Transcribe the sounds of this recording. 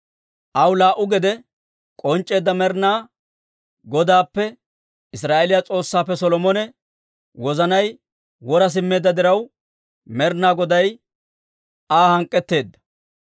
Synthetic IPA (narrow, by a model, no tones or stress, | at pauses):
ʔɐwlaːʔʊɡɛd̪ɛ | kʼɔnt͡ʃʼːe̞ːd̪ːɐmɛɾnaː | ɡɔd̪aːpːɛ | ɪsɾaːʔɛlɪjat͡sʼo̞ːsːaːpːɛsɔlɔmɔnɛ | wɔzɐnɐj | wɔɾɐs̬ɪmːe̞ːd̪ːɐd̪ɪɾɐw | mɛɾnːaːɡɔd̪ɐj | aːhɐŋkʼːɛt̪ːe̞ːd̪ːɐ̥